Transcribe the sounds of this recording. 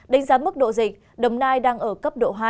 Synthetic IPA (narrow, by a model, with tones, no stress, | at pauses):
ɗä˨˦ŋ̟zaː˨˦mɨ˦˥k̚ɗo̰˧˨zï˨˩k̚ | ɗə˨˩wŋ͡mnaː˧jɗaː˧ŋʔəː˧˩kə˦˥p̚ɗo̰˧˨ɦaː˧